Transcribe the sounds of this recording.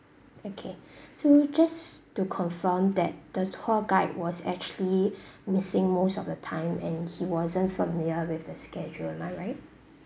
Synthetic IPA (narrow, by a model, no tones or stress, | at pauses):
okʰesod͡ʒastukʰɔ̃ɱfəmdɛt̚d̥əthɔɡaɪt̚wɔsɛ̰k̚t͡ʃuəlimɪsɪ̃ŋmosɔfdətʰãɪ̃mɛ̰̃nhiwɔzə̃ntfəmɪljəwɪθdəskɛd͡ʒulɛ̃maɪɹaɪt̚